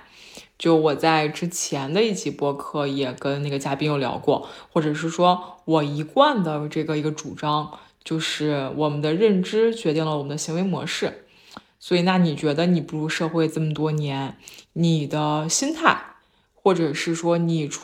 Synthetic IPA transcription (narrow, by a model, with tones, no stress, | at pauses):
t͡ɕjo˥˩ʊwɔ˨˩t͡sa˥˧˩ɪʈ͡ʂɻ̩˥t͡ɕʰjɛ˧˥nd̪ə˧i˥˩t͡ɕʰi˧˥pwɔ˥kʰɤ˥˩jɛ˨˩kə˥nna˥˩ɡə˩t͡ɕja˥pi˥njo˥˩ʊljɑ̰˧˥ʊkwɔ˥˩xwɔ˥˩ʈ͡ʂɤ˨˩ʂ̬ɻ̩˥˩ʂwɔ˥wɔ˨˩i˧˥kwa˥˩nd̪ə˩ʈ͡ʂɤ˥˩ɡə˩i˧˥ɡə˧ʈ͡ʂu˨˩ʈ͡ʂɑ˥ŋ | t͡ɕjo˥˧ʊʂɻ̩˥˩wʔɔ˨˩mə˦nd̪ə˧ɻə˥˩nʈ͡ʂɻ̩˥t͡ɕɥɛ˧˥t̪i˥˩ŋlə˩wɔ˨˩mə˦nd̪ə˧ɕi˧˥ŋwe˧˥ɪmwɔ̰˧˥ʂɻ̩˥˩ | swɔ˧˥i˨˩na˥˩ni˨˩t͡ɕɥɛ˧˥d̪ə˧ni˨˩pu˥˩ɻu˧˥ʂɤ˥˧xwe˥˧ɪʈ͡ʂə˥˩mə˩t̪wɔ˥njɛ˧˥nni˨˩d̪ə˦ɕi˥nt̪ʰa˥˩ɪ | xwɔ˥˩ʈ͡ʂɤ˨˩ʂɻ̩˥˩ʂwɔ˥ni˨˩